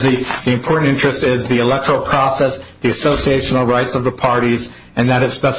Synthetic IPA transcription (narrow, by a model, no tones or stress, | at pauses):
ðiðiɨ̃mpʰɔɹʔn̩tɪ̃nt͡ʃɹ̥ɨstɪzðiɨlɛk̚tə˞l̩ˠpʰɹ̥ɔsɛsðiɨsoʊsieɪʃn̩l̩ˠɹaɪtsʌvðəpʰɑɹɾiz | ɨ̃nðɨɾɨtspɛs